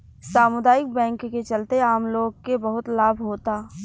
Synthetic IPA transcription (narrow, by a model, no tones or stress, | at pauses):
saːmʊd̪aːɪk̚bɛ̃ːŋkːet͡ʃɐlt̪eaːmloːɡkebɐɦʊt̪laːbʱɦoːt̪aː